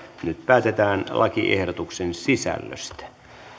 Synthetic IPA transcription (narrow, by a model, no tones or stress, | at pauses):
nyt̪̚pæːt̪et̪æːnlʔɑkiʔḛhdot̪uksensisæ̰lːø̰st̪æ̥